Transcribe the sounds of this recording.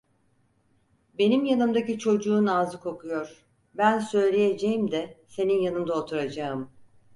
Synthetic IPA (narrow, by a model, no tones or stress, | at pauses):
be̞nimjanɯmd̪acit͡ʃʰo̞d͡ʒuːnaːzɯkʰo̞kʰujo̞ɾ̥ | bænsø̞jlʲe̞je̞d͡ʒejimd̪ɛse̞ninjanɯmd̪aot̪ʰuɾad͡ʒaɯm